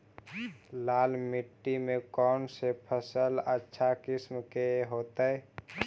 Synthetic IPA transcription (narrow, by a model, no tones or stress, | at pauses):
laːlmɪʈːimẽkɔːnsepʰəsələtːʃʰakɪsmkeɦoːt̪əɛ